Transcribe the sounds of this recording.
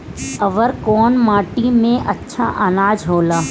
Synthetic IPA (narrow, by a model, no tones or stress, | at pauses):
ɐʋəɾkɔːnmaːʈimẽʔɐtːʃʰa̰ʔənaːd͡ʒɦoːlaː